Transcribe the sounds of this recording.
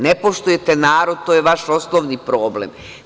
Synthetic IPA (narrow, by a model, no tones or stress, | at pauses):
nepo̞ʃt̪uje̞t̪enaːɾod̪̚t̪ojeʋaʃoslˠoʋnipɾo̞ːblḛm